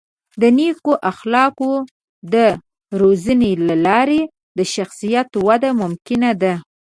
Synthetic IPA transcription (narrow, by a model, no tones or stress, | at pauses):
d̪ənekoʔaxlɑko | d̪ə | ɾozənelalɑɾe | d̪əʃaxsijat̪wad̪amʊmkɪnad̪a